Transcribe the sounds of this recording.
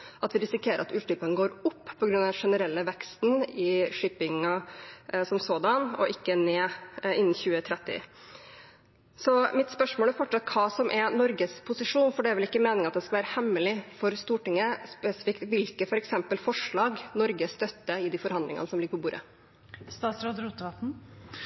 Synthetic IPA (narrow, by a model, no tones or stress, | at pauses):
ʔɑt̪ʋɪɾɪsɪkʰeːɾəɾɑt̪ʉːʈ̪ʏpənɡoːɾʊpːpʰɔɡɾʉnːɑd̪ʂɛnəɾɛlːəʋɛkst̪nɪʂɪpɪŋɑ | sɔmsoːd̪ɑnɔ̰ʔɪkːəneːɪnn̩çʉːət̪ʰɾɛt̪ːɪ̰ | sɔmɪt̪spœʂmoːlæɾfɔʈʂɑt̪̚ːkʰɑːsɔmʔɛnɔɾɡəspʰʊsɪʂuːnfɔɖɛæɾʋɛlɪkːəmeːnɪŋɑt̪̚d̪ɛskɑʋæːɾəhɛmːəlɪfɔɾst̪uːʈɪŋːəspɛsɪ̥fɪkt̪ʋɪlkəfɔɾɛksɛmpəlfɔʂɭɑːɡnɔɾɡəst̪œt̪ːəɪd̪ɪfɔɾhɑnd̪lɪŋɑ̰əsɔmlɪɡəpʰɔbuːɾə̰ | st̪ɑːt̪sɾoːd̪ɾuːt̪əʋɑpn̩